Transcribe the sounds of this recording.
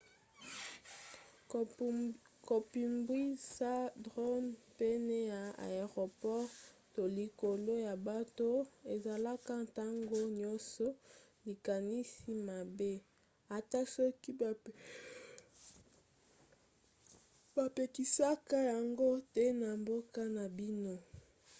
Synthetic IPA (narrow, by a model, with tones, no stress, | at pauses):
ko˨pi˨mbwi˦sa˦dʁo˦mpe˦ne˦ja˨a̰˨e˨ʁo˨pɔ˦ʁto˨li˨ko˨lo˦ja˨ba˦to˦e˨za˨la˦ka˦nta˦ŋɡo˦ɲɔ˦sɔ˦li˨ka˨ni˦si˦ma˨be˦ | a˨ta˦so˦ki˦˨ | ba˨pe˨ki˨sa˦ka˦ja˨ŋɡo˦tɛ˦na˨mbo˦ka˦na˨bi˦no˦